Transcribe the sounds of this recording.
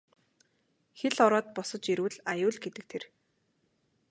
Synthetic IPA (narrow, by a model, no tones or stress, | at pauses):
xeɮɔɾɔːt̪̚pɔsɞ̆t͡ɕiɾwɘ̆ɮajʊːɮɡet̪ɘ̆k̚t̪ʰer